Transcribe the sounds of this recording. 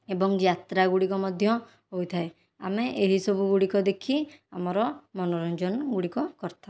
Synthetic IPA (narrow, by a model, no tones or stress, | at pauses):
ebɔŋd͡ʒat̪ɾaɡuɽikɔmɔd̪ʱjɔ | ɦojt̪ʰae | a̰meʔeɦisɔbuɡuɽikɔd̪ekʰiamɔɾɔmɔnɔɾɔnd͡ʒɔnɡuɽikɔkɔɾt̪ʰa